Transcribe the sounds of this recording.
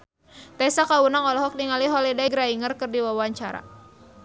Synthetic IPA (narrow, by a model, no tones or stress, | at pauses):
t̪ɛsakawunaŋɔlɔɦɔk̚niŋaliɦɔlɛdaiɡɾaiŋərkɨrdiwawaɲt͡ʃa̰ɾa̰